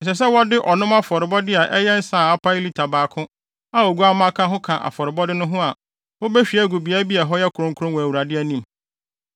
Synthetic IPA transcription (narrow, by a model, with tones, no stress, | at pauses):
n̩˨s̬ɛ˨s̬ɛ˦wɔ˦dɪ˦ʔɔ˨nʊ̃˦ma˦fɔ˨ɾɪ˨bɔ˦dɪ˦a˨ʔɛ˦jɛ˦n̩˦sã˨a˦pʰa˦jli˦tʰa˨baː˨kʰʊ̃˦ | a˦o˨ɡu˦a˦mã˦kʰã˦ɦʊ̃˦kʰã˨ʔa̰˨fɔ˨ɾɪ˨bɔ˦dɪ˦nʊ̃˦ɦʊ̃˦a˨ | hʊ˦be˦ɕᶣi˨˦æ˦˨ɡu˨bi˨a˦bi˦ɛ˨ɦɔ˦jɛ˦kʰʊ˨ɾʊ̃˦ŋ˦kʰʊ˦ɾʊ̃˦wɔ˨æ˨wu˨ɾa˨dɪ˦æ˦˨nĩ˦m˨